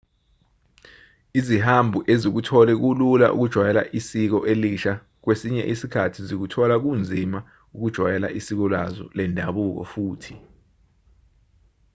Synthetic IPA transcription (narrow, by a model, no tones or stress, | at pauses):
izihambʱuʔezik̬utʰɔlɛk̬ulula̰ʔṵk̬ud̥ʒ̥ʱwajɛla̰ʔisik̬ɔʔeliʃa | k̬wesiɲɛ̰ʔisikʰatʰizik̬utʰɔlak̬und͡zʱima | uk̬ud̥ʒ̥ʱwajɛla̰ʔisik̬ɔlwazɔ̰lɛndʱaɓuk̬ɔ̰fuːtʰi̥